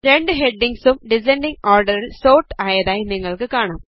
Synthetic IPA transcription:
ɾe̞ɳɖɨɦe̞ɖːiŋɡsumɖis̬eɳɖiŋoːrɖɐɾilso̞ːʈːaːjɐðaːjiniŋːɐɭkɨkaːɳaːm

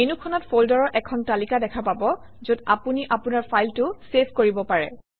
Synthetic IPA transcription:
enukʰɔnɔtfʰoldɔɹɔɹʔɛkʰɔntalikadɛkʰapabɔ | zodapuniʔapunaɹpʰajltʊsepʰkoɹibɔpaɹɛ̰

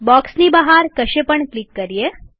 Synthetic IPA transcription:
bɔksnibaɦaɾkəʃepəɳklikːəɾije

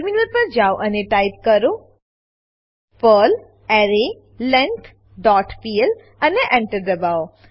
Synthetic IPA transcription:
ɾminəɾpɐɾd͡ʒaːoʔəneʈaɪp̚kəɾo | pəːl | ɛɾe | lɛ̃ŋt̪ʰ | ɖɔːʈpiel | ɐneʔɛ̃ɳʈəɾd̪ɐbao

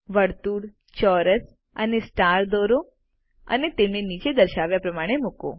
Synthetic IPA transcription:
ʋəɽt̪uːɽ | t͡ɕɔɾəs | ə̰nesʈaɾd̪ɔɾo | ə̰net̪emnenit͡ʃed̪əɾʃaʋjapɾəmaɽ̃emuko̰

